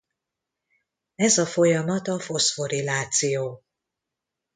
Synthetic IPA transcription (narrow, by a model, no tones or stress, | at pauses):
ɛzɒfo̞jɒmɒt̪ɒfosfo̞ɾilaːt̪sijoː